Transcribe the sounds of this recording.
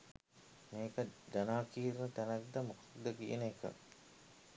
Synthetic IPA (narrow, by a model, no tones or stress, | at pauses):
meːkəd̪anaːkiːɾnət̪ænakd̪əmukad̪ːəkijḛnekə̰